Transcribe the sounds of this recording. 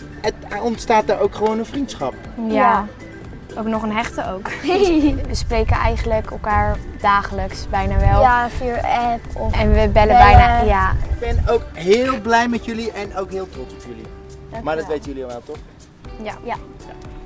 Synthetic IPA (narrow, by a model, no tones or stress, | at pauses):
ətɔntstaːt̚daɹowkχəʋownənfrintsχɑp̚ | ja | owknɔχənɦɛχtəowk | ʋəsprejkənɛ̰jχənləkəlˠkaːɹdaːχələksbɛjnaːʋɛlˠfiɛpɔɛnʋəbɛləbɛjnajaɪbɛnowkɦɪːlˠblɛjmɛtjøliʔɛnowkɦɪːlˠtrɔtsɔpjølḭ | maːɹdɔtʋejtəjəliɔʋɛlˠtɔχ | jḁ